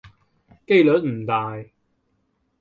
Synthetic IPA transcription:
ke˥jlɵ˨˥t̚m̩˨˩t̪aː˨j

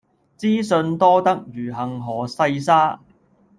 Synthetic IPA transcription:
t͡siː˥sɵ˧nt̪ɔː˥t̪ɐ˥k̚jyː˨˩ɦɐ˨ŋɦɔː˨˩sɐ˧jsaː˥

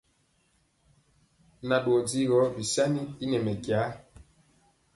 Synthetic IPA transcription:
na˨ɗwɔ˨di˦ɣɔ˨˦bi˨sa˦ni˦i˦nɛ˨mɛ˨kja˨˦

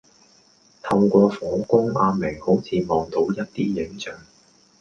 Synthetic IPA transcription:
t̪ʰɐ˧wkʷɔː˧fɔː˨˥ŋkʊ˥ŋaː˧me˨˩jho˨˥wt͡sʰiː˨˧mɔː˨ŋt̪o˨˧˥wjɐ˥t̚t̪iː˥jɪ˨˥ŋt͡sœː˨˩ŋ

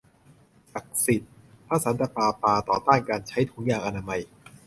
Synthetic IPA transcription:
ʔa˨˩k̚si˨˩t̪̚ | pʰɾa˦˥sa˩˦nt̪a˧paː˧paː˧t̪ɔː˨˩t̪aː˥˩nkaː˧nt͡ɕʰa˦˥jt̪ʰu˨˩˦ŋjaː˨˩ŋʔa˧naː˧ma˧j

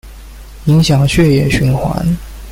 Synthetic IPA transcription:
i˧˥ŋɕjɑ˨˩ŋɕɥɛ˥˧jɛ˥˩ɕy˧˥nxwa̰˧˥n

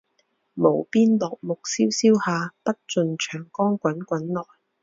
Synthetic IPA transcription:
mo˨˩wpiː˥nlɔː˨k̚mʊ˨k̚siː˥wsiː˥whaː˨˧pɐ˥t̚t͡sɵ˨nt͡ʃʰœː˨˩ŋkɔː˥ŋkʷɐ˨˥nkʷɐ˨˥nlɔː˨˩j

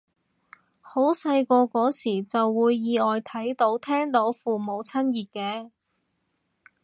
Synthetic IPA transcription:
ho˨˥wsɐ˧jkɔː˧kɔː˨˥siː˨˩t͡sɐ˨wːuː˨˧jːiː˨˧ɔː˨jt̪ʰɐ˨˥jt̪o˨˥wt̪ʰɛː˥ŋt̪o˨˥wfuː˨mo˨˧wt͡sʰɐ˥njiː˨t̚kɛː˧

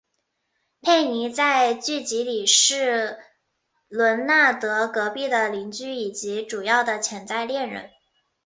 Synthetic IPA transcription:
pʰe˥˩ɪni˧˥t͡sa˥˧ɪt͡ɕy˥˩t͡ɕi˧˥li˨˩ʂɻ̩˥˩ | lwə˧˥nna˥˩t̪ɤ˧˥kɤ˧˥pi˥˩d̪ə˩li˧˥nt͡ɕy˥i˨˩t͡ɕi˧˥ʈ͡ʂu˨˩jɑ˥˩ʊd̪ə˩t͡ɕʰjɛ˧˥nt͡sa˥˧ɪljɛ˥˩nɻə̰˧˥n

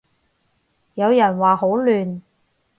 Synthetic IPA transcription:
jɐ˨˧wjɐ˨˩nwaː˨ho˨˥wlyː˨n

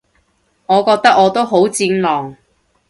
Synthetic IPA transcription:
ŋɔː˨˧kɔː˧k̚t̪ɐ˥k̚ɔː˨˧t̪o˥wɦo˨˥wt͡siː˧nlɔː˨˩ŋ

